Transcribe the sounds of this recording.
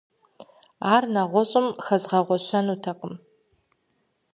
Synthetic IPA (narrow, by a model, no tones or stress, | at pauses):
aːrnaʁʷɔɕʼɪmxɐzʁɐʁʷɔɕʷɐnuːtʰɐqʼəm